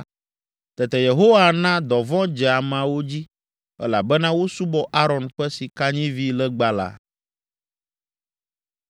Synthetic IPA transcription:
t̪ɛ˨t̪ɛ˨je˨ɦo˦wa˨nã˦d̪ɔ˨vɔ̃˦d͡ʒɛ˨a˨mã˨wo˦d͡ʑi˦ | ɛ̰˦la˨bɛ˦nã˦wo˦su˦bɔ˦ʔa˦ɾɔ̃˨nɸɛ˦si˨ka˦ɲĩ˦vi˦lɛ˦ɡ͡ba˨la̰˨

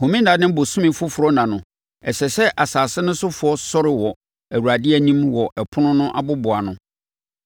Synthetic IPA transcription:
hõ˨mĩ˦n˦da˨nɪ̃˦bo˨sũ˦mĩ˨fʊ˦fʊ˨ɾɔ˦nã˨nʊ̃˨ | ɛ˨sɛ˨sɛ˦ʔa˨saː˨sɪ˦nʊ̃˦sʊ˦fʊ˨˦ɔ˦sɔ˦ɾɪ˨wɔ˨ | æ˨wu˨ɾa˨dɪ˦ɛ˨nĩ˦mwɔ˨ʔɛ˨pʰʊ˦nʊ̃˦nʊ̃˦ʔa̰˨bʊ˦bʊ˨a˨nʊ̃˦

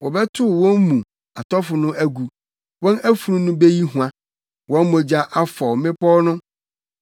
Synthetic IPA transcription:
wɔ˨bɛ˦tʰʊ˦˨wɔ̃˦mmũ˨ | a˨tʰɔ˦fʊ˨nʊ̃˦æ˦ɡu˨ | wɔ̃˦næ˦fu˨ɾũ˦nʊ̃˦be˦ji˦ɦũ˨ã˨ | wɔ̃˦nmɔ̃˨d͡ʑa˦ʔa˦fɔ˨mɪ̃˦pɔ˦nʊ̃˦

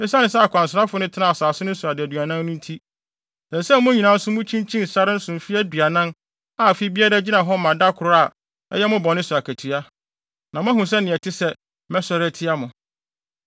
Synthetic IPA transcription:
ɪ̃˦sa˦nɪ̃˨s̬ɛ˦a˨kʰʷã˨nsɪ˨ɾa˦fʊ˨nʊ̃˦tʰɪ˦nã˦˨a˨saː˨sʊ˦nʊ̃˦sʊ˨a˨dɪ˨æ˨dɥa˨nã˦nːʊ̃˦n̩˦tʰi˦ | sɛ˨sɛ˦mʊ̃˦ɲĩ˨nã˨˦n̩˦sʊ̃˦mʊ̃˦t͡ɕʰĩ˦n˦t͡ɕʰĩ˦n̩˨sa˦ɾɪ˦n̩˦sʊ̃˨m̩˨fi˦æ˦du˨a˨nã˦n | a˨fi˦bi˦ɛ˦ɾɛ˦d͡ʑi˦nã˨ɦɔ˦mã˨da˦kʰʊ˨ɾʊ˦a˨ | ɛ̰˦jɛ˦mʊ̃˦bɔ̃˨nɪ̃˦sʊ˨a˨kʰæ˨tʰu˨a˦ | nã˨mʊ̃˦æ˦ɦũ˨s̬ɛ˦nɪ̃˨ɛ˨tʰɪ˦sɛ˦ | mɛ̃˦sɔ˦ɾɛ˦tʰɪ˦a˦mʊ̃˨

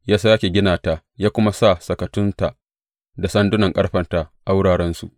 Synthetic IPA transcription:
jaː˦sa˦ja˦kʲeː˨ɡʲɪ˦naː˨taː˨ | jaː˦kʷʊ˦ma˦sa˦˨sɐ˨kɐ˨tʊ˦nta˨ | da˨sɐ˦ndʊ˦nɐ˨ŋkʼɐ˦ɽɸɐ˦nta˨ʔa˨wʊ˦ɽaː˨ɽɛ˦nsṵ˨ʔ

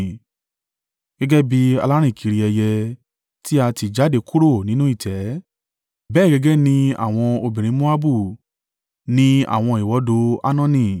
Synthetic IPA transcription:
ɡ̥ɛ˦ɡɛ˦bi˧a̰˧la˦ɾ̃ĩ˦˨kʰi˨˦ɾi˧ɛ˧jɛ˧ | ti˦a˧ti˧˨d͡ʒa˨˦de˧ku˦ɾo˦˨nĩ˨˦nũ˦i˦˨tʰɛ˨˦ | bɛː˦˨ɡɛ˧ɡɛ˦nĩ˧a̰˦˨w̃ɔ̃˧o˧bĩ˨ɾ̃ĩ˨˦mo˦a˦bu˦˨ | nĩ˦a̰˦˨w̃ɔ̃˧i˨wɔ˨˦do˧˦a̰˦nã˦nĩ˧˨

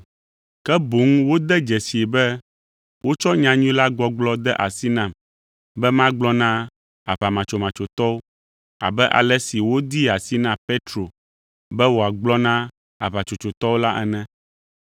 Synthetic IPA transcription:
kɛ˦bo˨˦ŋ˦wo˦d̪ɛ˦d͡ʒɛ˨si˨e˨bɛ˦ | wʔo˦t͡ʃɔ˦ɲã˨ɲũ˦la˦ɡ͡bɔ˦ɡ͡blɔ˦d̪ɛ˦ʔa˨si˦nã˦˨m | bɛ˦mã˦ɡ͡blɔ˦nã˦ | a˨βa˨mã˨t͡ʃo˨mã˨t͡ʃo˨t̪ɔ˦wo˦ | a̰˨bɛ˦ʔa̰˨lɛ˦si˨wo˦d̪i˦a˨si˦nã˦pe˦t̪ɾo˨ | bɛ˦wo˨a˨ɡ͡blɔ˦nã˦ | a˨βa˨t͡ʃo˨t͡ʃo˨t̪ɔ˦wo˦la˦ʔɛ̰˨nɛ̃˦

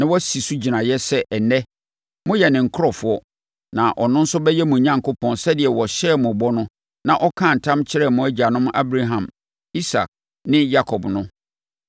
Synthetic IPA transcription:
nã˦wɔ˦si˨su˦d͡ʑi˨nã˨jɛ˦sɛ˦ʔɛ˨nɛ˦ | mʊ̃˦jɛ˨nɪ̃˨ŋ̩˨kʰɾɔ˨fʊ˨˦ɔ˦ | nã˨ʔɔ˨nʊ̃˦n̩˦sʊ˦bɛ˦jɛ˦mʊ̃˨ɲã˦ŋ˨kʊ˦pʰɔ̃˨nsɛ˦dɪ˨ɛ˨wɔ˨ɕɛ˦˨mʊ̃˨bɔ˦nʊ̃˦ | nã˨ʔɔ˦kʰã˦˨n̩˨tʰã˦mt͡ɕʰɪ˦ɾɛ˦˨mʊ̃˦æ˦d͡ʑa˨nʊ̃˦m˦ʔa˦bɾa˦ɦã˨m | i˦sa̰˨k̚ | nɪ̃˦ja˦kʰɔ˨bnʊ̃˦

